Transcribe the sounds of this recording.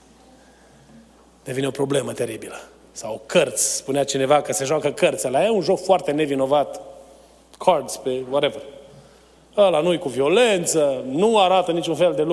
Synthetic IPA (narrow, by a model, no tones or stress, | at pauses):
d̪e̞vineo̞pɾo̞ble̞mət̪e̞ɾibilə | sawkərt̪sʲspuneat͡ʃine̞vakəseʒowakəkərt̪saleajaunʒo̞kfoart̪e̞ne̞vino̞vat̪ | kʰard̪spewaɾever | əlanujkuvio̞le̞nt̪sənuaɾat̪ənit͡ʃunfe̞ld̪e̞lu